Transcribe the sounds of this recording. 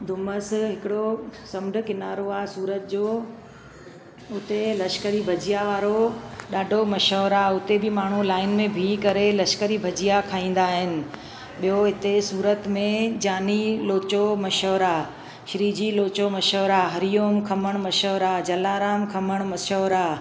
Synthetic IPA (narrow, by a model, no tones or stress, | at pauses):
d̪ʱʊməsɦɪkɪɽosɐmɖʱʊ̆kɪnaːɾoaːɦesuːɾət̪d͡ʑoː | ʊt̪elɐʃkəɾibʱɐd͡ʑijaʋaːɾoɗaːɖʱomɐʃəʋɾaʊt̪ebʱɪmaːɳ̤ulaːɪnmẽbʱiːkɐɾelɐʃkəɾibʱɐd͡ʑijakʰaːĩːn̆d̪aːɦɪnɪ̆ | ɓijoɦɪt̪esuːɾət̪mẽd͡ʑaːniloːt͡ɕomɐʃəʋɾa | ʃɪɾiːd͡ʑiloːt͡ɕomɐʃəːʋɾaɦɐɾijoːmkʰɐməɽ̃mɐʃəʋɾad͡ʑɐlaːɾaːmkʰɐməɽ̃mɐʃəʋɾa